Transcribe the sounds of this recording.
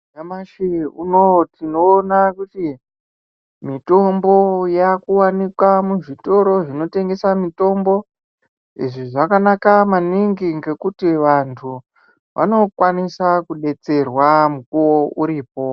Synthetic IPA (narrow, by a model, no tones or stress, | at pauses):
amaʃiunotino̞ːnakuti | mito̞mbo̞jakuwanikwamuʐito̞ɾo̞ʐino̞te̞ŋɡe̞samito̞mbo̞ | ḭʐiʐakanakamaniŋɡiŋɡe̞kutiʋantʰu | ʋʔa̰no̞kwanisakuɗe̞t͡se̞rwamukuwo̞uɾiːp̚o̞